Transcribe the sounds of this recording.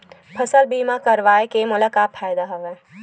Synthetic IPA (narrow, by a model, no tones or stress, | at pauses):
pʰɐsəlbiːmakɐɾʋaːekemʊlakaːpʰːaːjd̪aɦɐʋɛː